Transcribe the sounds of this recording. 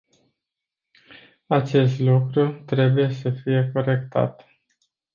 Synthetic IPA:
at͡ʃe̞s̬t̪lukɾut̪ɾe̞buje̞səfije̞ko̞ɾe̞kt̪a̰t̪

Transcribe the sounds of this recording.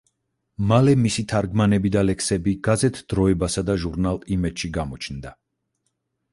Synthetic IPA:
malɛmisit̪ʰaɾɡmanɛbid̪alɛksɛbiɡ̥azɛt̪ʰd̪̥ɾɔɛbasad̪aʒuɾnalˠimɛd͡ʒ̥ʃiɡamɔt͡ʃʰnd̪a

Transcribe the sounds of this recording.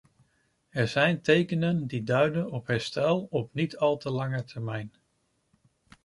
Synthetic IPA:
ɛɹzɛjntejkənəndidœɥdənɔpɦɛɹstɛlˠɔpnitɑlˠtəlɑŋətʰɛɹmɛjn

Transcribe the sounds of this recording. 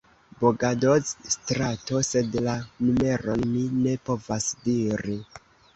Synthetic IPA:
boɡadozstɾato̞se̞dlanume̞ɾonmine̞po̞vasdiɾi

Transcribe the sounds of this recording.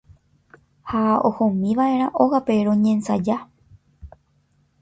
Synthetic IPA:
hao̰hõmĩʋaʔe̞ɾ̃ãʔoɣape̞ɾõɲẽnsad͡ʒa

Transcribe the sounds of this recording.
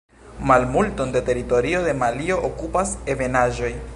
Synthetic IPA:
malmulto̞ndete̞ɾito̞ɾio̞de̞malio̞ʔokupase̞ve̞naʒo̞j

